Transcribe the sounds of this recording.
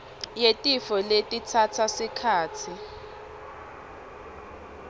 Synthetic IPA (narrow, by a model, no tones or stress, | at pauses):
jetʼifɔletʼitʰatʰasikʰaːtʰi